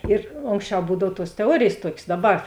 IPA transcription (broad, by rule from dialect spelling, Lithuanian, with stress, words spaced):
ɪr ˈoːŋksʲˌt͡ʃʲɛʊ ˈbuːdɐw tuɔs tʲɛˈuɔrʲeːjeːs ˈtuɔkʲeːs ˈdɑːˌbɐr